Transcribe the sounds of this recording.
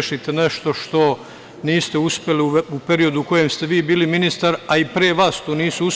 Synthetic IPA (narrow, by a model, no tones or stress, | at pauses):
ʃit̪eneʃt̪o̞ʃt̪o̞ | niːst̪euspʲje̞liupe̞ɾio̞d̪uko̞je̞mst̪eʋiːbiːliminist̪aɾaipɾeːʋaːst̪oːniːsuus